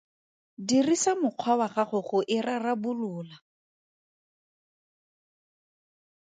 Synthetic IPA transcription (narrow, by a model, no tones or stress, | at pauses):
dirisamʊq͡χʰwawaχaχʊχʊʔɪrarabʊlʊːla